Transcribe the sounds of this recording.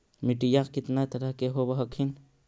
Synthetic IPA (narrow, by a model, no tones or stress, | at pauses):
miʈijaqkɪt̪nat̪ɐɾəɦkeɦobɐɦɐkʰin